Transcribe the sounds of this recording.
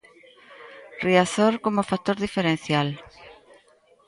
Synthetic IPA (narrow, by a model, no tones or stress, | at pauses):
riaθoɾkomʊfak̚t̪oɾðifeɾen̟θjal